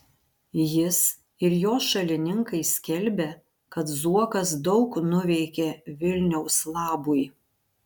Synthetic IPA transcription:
jɪs | ɪɾjoːsʃɐlʲɪnʲɪŋkɐɪsʲkʲɛlʲbʲe | kɐt̪zuɔkɐs̬d̪ɒʊknʊʋʲɛɪkʲeʋʲɪlʲnʲɛʊslˠɑːbʊj

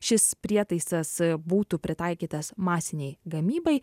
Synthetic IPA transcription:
ʃʲɪspʲɾʲiɛt̪ɐɪsɐsbuːt̪upʲɾʲɪt̪ɐɪkʲiːt̪ɐsmɑːsʲɪnʲɛɪɡɐmʲiːbɐɪ

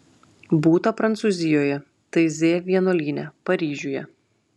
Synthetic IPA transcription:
buːt̪ɐpɾɐnt̪suːˑzʲɪjoːjɛ | t̪ɐɪzʲeːʋʲiɛnoːlʲiːnʲɛpɐɾʲiːʒʲuːjɛ̰

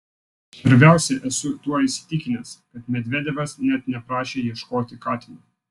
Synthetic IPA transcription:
pʲɐɾʲbʲæˑʊsʲɛʔɛsʊt̪uɔɪsʲɪ̥t̪ʲɪkʲɪnʲɛskɐt̪mʲɛd̪ʲʋʲɛd̪ʲɛʋɐsnʲɛt̪nʲɛpɾɑːʃʲeːjiɛʃkoːt̪ʲɪkɑːt̪ʲɪmu

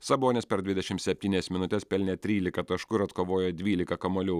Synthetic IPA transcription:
sɐboːnʲeːspʲɛɾd̪ʲʋʲɪd̪ʲɛʃʲɪmt̪sʲɛpʲt̪ʲiːnʲɛːsmʲɪnʊt̪ʲɛspʲɛlʲnʲɛt̪ʲɾʲiːlʲɪkɐt̪ɐʃkʊɪɾɐt̪koːʋoːjɛd̪ʲʋʲiːlʲɪkɐkɐmoːlʲʊ

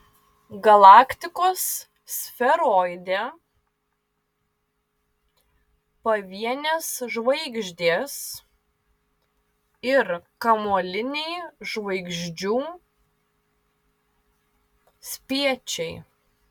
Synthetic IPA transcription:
ɡɐlˠɑːkt̪ʲɪkoːs | fʲɛɾoːɪd̪ʲe | pɐʋʲiɛnʲeːsʒʋɐɪɡʒʲd̪ʲeːs | ɪɾkɐmoːlʲɪnʲɛɪʒʋɐɪɡʒʲd͡ʒʲuː | sʲpʲiɛt͡ʃʲɛɪ

